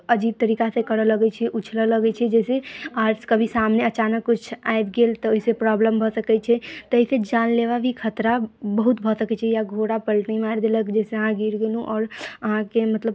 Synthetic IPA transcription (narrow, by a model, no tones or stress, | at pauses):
əd͡ʒit̪̚t̪əɾikasekəɾələɡɛt͡ʃʰɛʔut͡ʃʰlələɡɛt͡ʃʰɛd͡ʒɛseaɾskəbʱisamneət͡ʃanəkːut͡ʃʰaet̪ɡelt̪ɔoɦisepɾɔbləmbʱɔsəkɛt͡ʃʰɛt̪əɦised͡ʒanleʋabʱikʰət̪ɾabəɦut̪bʱɔsəkɛt͡ʃʰɛjaɡʱoɽapəlʈnəimaɾd̪eləkd͡ʒɛseəɦãɡʱiɾɡelɦũʔɔːɾəɦãkemət̪ləb